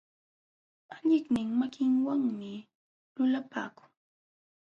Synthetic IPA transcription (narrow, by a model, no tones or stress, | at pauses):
aʎɪknɪŋmakɪŋwaŋmɪ | lʊlapa̰ːkʊ̥ŋ